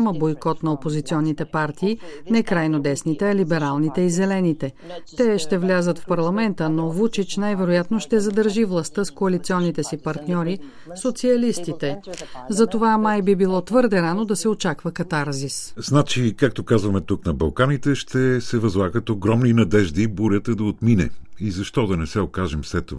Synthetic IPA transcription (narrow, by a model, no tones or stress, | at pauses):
məbojkɔt̪nɐopozit̪siɔnːit̪ɛpaɾt̪iːnɛkɾajnod̪ɛsnit̪ɛɐlibɛɾalˠnit̪ɛizɛlɛnit̪ɛ | t̪ɛʃt̪ɛvlʲazət̪fpɐɾlˠɐmɛnt̪ənovut͡ʃit͡ʃnajvɛɾojat̪noʃt̪ɛzɐd̪əɾʒivlˠɐst̪əskoɐlit̪siɔnːit̪ɛsipɐɾt̪nʲɔɾi | sot̪siɐlist̪it̪ɛzɐt̪ovamajbibilˠɔt̪vɤɾd̪ɛɾanod̪ɐsɛot͡ʃakvəkɐt̪aɾzisznat͡ʃikak̚t̪okazvɐmɛt̪uknɐbɐlˠkanit̪ɛʃt̪ɛsɛvɐzlˠaɡət̪oɡɾɔmninɐd̪ɛʒd̪ibuɾʲjət̪əd̪ɐot̪minɛ̰izɐʃt̪ɔd̪ɐnɛsɛokaʒɛmfslɛt̪ːo̰va